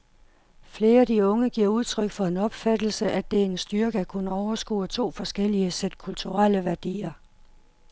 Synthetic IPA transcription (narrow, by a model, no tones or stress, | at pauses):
fle̝ːɐædiɔ̽ŋəɡ̥iɐ̰uð̞ˠt͡sʰʁœɡ̥fɒ̽e̝nɒ̽b̥fæd̥l̩səʔæd̥ee̝nsd̥yɐɡ̥əækʰunəɒʊɐsɡ̥ṵːt͡sʰo̝̰ːfɒ̽sɡ̥el̰iəsed̥̚kʰult͡sʰuʁaləʋæɐd̥ḭːɐ